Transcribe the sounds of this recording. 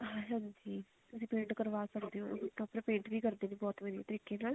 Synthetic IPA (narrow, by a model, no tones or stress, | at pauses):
ɦãːɦãːɲd͡ʒiː | t̪ʊs̬ĩːpẽːɳʈkəɾʋaːsəkd̪eːɦõːɪʈ̪ːõːpɾɪpẽːɳʈʋiːkəɾd̪eːnẽːbɔːt̪ʋəd̪ija̰ːt̪əɾiːkeːnaːl